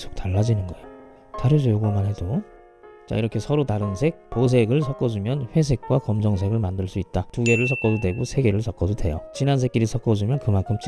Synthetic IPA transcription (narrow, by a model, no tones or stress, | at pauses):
sʰo̥k̚taɭːad͡ʑinɯnɡʌeo | t͡ɕaɾjʌd͡ʑojoɡomanɦe̞do | t͡ɕa̰iɾʌkʰe̞sʰʌɾotaɾɯnsʰe̞k̚pos̬ʰe̞ɡɯɭsʰʌk͈ʌd͡ʑumjʌnɸwe̞s̬ʰe̞k̚k͈wakʌmd͡ʑʌŋsʰe̞ɡɯɭmandɯɭs͈uit̚t͈atuɡe̞ɾɯɭsʰʌk͈ʌdodwe̞ɡosʰe̞ɡe̞ɾɯɭsʰʌk͈ʌdodwe̞jot͡ɕinansʰek͈iɾisʰʌk͈ʌd͡ʑumjʌnkɯmankʰɯm